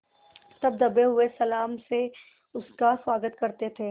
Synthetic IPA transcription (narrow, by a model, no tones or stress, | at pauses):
t̪ɐb̚d̪ɐbeɦʊesɐlaːmse | ʊskaswaːɡət̪kɐɾt̪et̪ʰeː